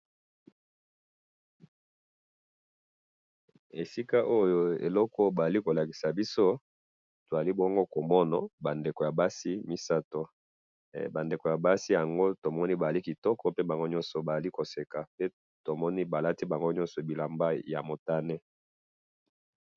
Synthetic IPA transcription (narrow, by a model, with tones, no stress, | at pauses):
e˨si˦ka˦ʔo˦jo˦ḛ˨lɔ˦kɔ˦ba˨za˨li˦ko˨la˨ki˨sa˨bi˦so˦ | to˨za˨li˦bɔ˦ŋɡo˦ko˨mɔ˦na̰˨ba˨nde˨ko˨ja˨ba˦si˦mi˦sa˦to˨ | ba˨nde˨ko˨ja˨ba˦si˦ja˨ŋɡo˦to˨mɔ˦ni˦ba˨a˨li˦ki˨tɔ˦kɔ˦pe˦ba˨ŋɡo˦ɲɔ̃˦nsɔ˨ba˨za˨li˦ko˨se˨ka˨pe˦ | to˨mɔ˦ni˦ba˨la˦ti˦ba˨ŋɡo˦ɲɔ̃˦nsɔ˨bi˨la˨mba˦ja˨mo˨ta˦nɛ˦